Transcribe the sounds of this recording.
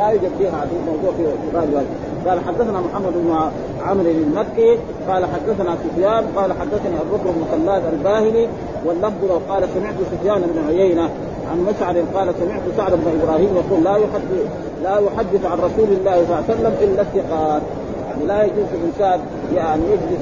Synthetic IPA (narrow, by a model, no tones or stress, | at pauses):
majud͡ʒabːiːhaʕad̪iːlmɑwd̪ˤuːʕfifiɾˤɑːd̪waːd̪i | qɑːlaħad̪ːaθanamʊħamːad̪ʔʊbma | ʕamɾinalmakːi | qɑːlaħad̪ːaθanasufjaːnqɑːlaħad̪ːaθaniʔarˤːʊkɾalmʊxalːaːd̪albaːhili | walːɑfd̪ˤulawqɑːlasamɪʕt̪usufjaːnɪbnuʕʊjejna | ʕanmaʃʕad̪inqɑːlasamɪʕt̪usaʕd̪abnaʔibɾˤɑːhiːmjɑquːlːajħad̪ | lajʊħad̪ːiθʕanɾˤɑsuːlalːaːhisˤɑlːasalːamʔilːaθːɪqɑːt̪̚ | jaʕnilajad͡ʒuːinʃaʕd̪ | jaʕnijad͡ʒli